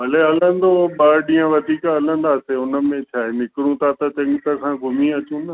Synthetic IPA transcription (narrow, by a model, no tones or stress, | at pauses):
bɐleɐlə̃nd̪oɓaːɾɗĩːə̃ʋɐd̪ʱiːkaɐlə̃n̆d̪aːseʊnə̆mẽt͡ɕʰaːɦenɪkɪɽũt̪ʰat̪ɐt͡ɕɐ̃ŋɡt̪əkʰãɡʱʊmĩɐt͡ɕũnə